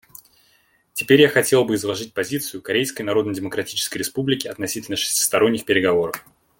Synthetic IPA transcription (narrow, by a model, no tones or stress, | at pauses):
tʲɪpʲeɾʲjaxɐtʲe̞lˠbɨɪzlˠɐʐɨt̚ʲpɐzʲit̪sɨjʊkɐɾʲejskəjnɐɾo̞d̪nəjdʲɪməkɾɐtʲit͡ɕɪ̥skəjɾʲɪspublʲɪkʲɪɐt̪nɐsʲitʲɪlʲnəʂɨ̥sʲtʲɪ̥st̪ɐɾo̞nʲːɪxpʲɪɾʲɪɡɐvo̞ɾəf